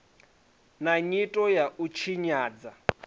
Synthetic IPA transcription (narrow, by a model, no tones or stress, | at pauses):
naɲitʼɔjaʔut͡ʃʰiɲaːd͡za